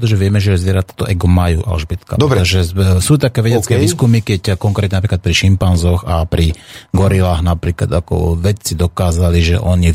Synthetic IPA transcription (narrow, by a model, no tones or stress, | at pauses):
t̪ɔʒɛʋɪɛmɛʒɛzʋɪɛɾat̪ḁt̪ɔʔɛɡumajṵːʔa̰lʒbit̪ka̰pd̪ɔɾɾɛt̪ɔʒɛsuːt̪akɛːʋɛɟɛt͡skɛʋiːskumikɛckɔŋkɾɛt̪ɲɛnapɾiːklat̪̚pɾiʃimpanzɔxapɾiɡɔɾilaːxnapɾiːklad̪akɔ̰ʋɛct͡sid̪ɔkaːzaliʒɛ̰ʔɔɲi